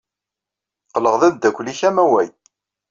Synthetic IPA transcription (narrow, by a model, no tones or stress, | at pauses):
qələʁðæðd̪ːækʷliçæmæwæj